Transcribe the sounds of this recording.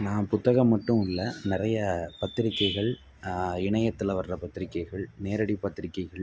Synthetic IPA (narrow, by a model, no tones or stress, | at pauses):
naːmpʊt̪ːɐɣɐmːɐʈːɯmɪɭːɐnɪrɐjɐpɐt̪ːɪɾɪkːɐɪɣɐɭ | ɪɳɐjɐt̪ːɪlɐʋɐɾrɐpɐt̪ːɪɾɪkːɐɪɣɐɭneːɾɐɽipɐt̪ːɪɾɪkːɐɪɣɐɭ